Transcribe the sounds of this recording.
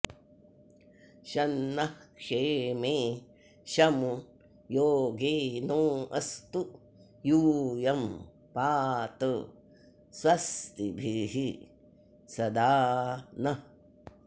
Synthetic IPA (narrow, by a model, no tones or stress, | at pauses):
ʃɐnːɐhkʂeːmeː | ʃɐmu | joːɡeːnoːɐst̪u | juːjɐm | paːt̪ə | swɐst̪ibʱiɦi | sɐd̪aːnɐ